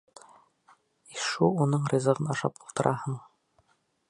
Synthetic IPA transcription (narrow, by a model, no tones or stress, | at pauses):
iʃuunɤɴrʲizə̆ʁɤnɑʃɑ̰pulˠt̪ɤ̆ɾʔɑhɤɴ